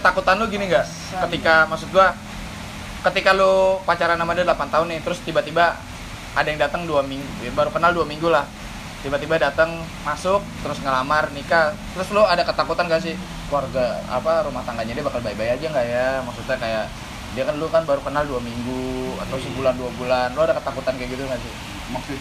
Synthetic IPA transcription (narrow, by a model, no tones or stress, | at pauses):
kət̪akut̪anlʊɡiniŋɡaʔ | kət̪ikamaksʊk̚d̪ua | kət̪ikalʊpat͡ʃaɾanamadidəlapant̪aɦʊnːɪt̪əɾʊst̪ibat̪iba | adajaŋdat̪əŋduamiŋɡujabaɾukənalduamiŋɡulah | t̪ibat̪ibadat̪əŋ | masʊk̚t̪əɾʊsŋəlamarnikat̪əɾʊsloadakət̪akut̪anɡas̬ɪh | kluarɡaa̰paɾumaht̪aŋɡaɲadiabakalbaibajad͡ʒaŋɡaʔjamaksut̪ɲakajaʔ | diakanlʊkanbaɾukənalduamiŋɡuat̪awsibulanduabulanloadakət̪akut̪ankajɡit̪uŋɡasɪh | ma